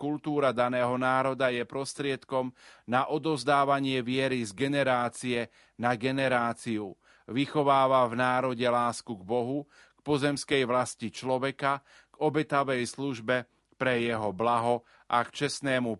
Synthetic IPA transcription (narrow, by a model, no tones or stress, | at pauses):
kult̪uːɾad̪anɛːɦɔnaːɾɔd̪ajɛpɾɔst̪ɾɪɛt̪kɔmnaʔɔd̪ɔzd̪aːʋaɲɪɛʋɪɛɾizɡɛnɛɾaːt͡siɛ | naɡɛnɛɾaːt͡siu | ʋixɔʋaːʋavnaːɾɔɟɛlaːskuɡbɔɦu | kpɔzɛmskɛjʋlascit͡ʃlɔʋɛka | ɡ̥ɔbɛt̪aʋɛjsluʒbɛ | pɾɛjɛɦɔblaɦɔ | ʔakt͡ʃɛsnɛːmu